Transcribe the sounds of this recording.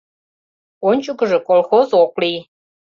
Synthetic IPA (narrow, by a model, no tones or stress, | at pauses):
onʲt͡ɕukəʒĕkolxozoklij